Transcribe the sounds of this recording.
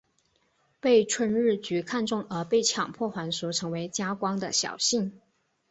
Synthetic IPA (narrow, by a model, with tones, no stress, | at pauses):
pe˥˩˧ɪʈ͡ʂʰwə˥nɻɻ̩˥˩t͡ɕy˧˥kʰa˥˧nʈ͡ʂʊ˥˩ŋə˞˧˥pe˥˩ɪt͡ɕʰjɑ˨˩ŋpʰwɔ˥˩xwa˧˥nʂu˧˥ʈ͡ʂʰɤ˧˥ŋwe˧˥ɪt͡ɕja˥kwɑ˥ŋd̪ə̰˨ɕjɑ̰˨˩ʊɕi˥˩ŋ